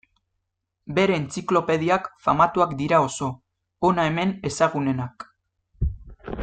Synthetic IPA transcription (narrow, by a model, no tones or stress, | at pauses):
be̞ɾe̞ːnt͡siklo̞pe̞ð̞iakfamat̪uakd̪iɾao̞so̞ː | nae̞me̞ne̞saɣ̞une̞nak